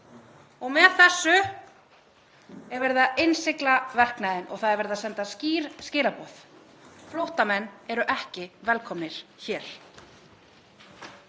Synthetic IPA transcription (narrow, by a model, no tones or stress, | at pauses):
ɔɣmɛðθɛsːʏ | ɛɾvɛɾɪðaensɪklavɛr̥knaðɪnʔɔ̰ɣθaðɛɾvɛɾɪðasɛnt̪asciːɾscɪːlapɔːθ | flowht̪amɛnːɛɾʏʔɛhcɪvɛlkʰɔmnɪɾ̥çɛːl̥